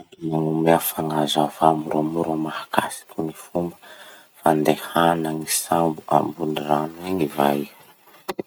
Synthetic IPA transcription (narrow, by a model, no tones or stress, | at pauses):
iaŋumeafaŋazavamuɾamuɾamahakasi̥kʲunifumbə | fand̪ehanaŋisambuʔa̰mbuniraniɲivaj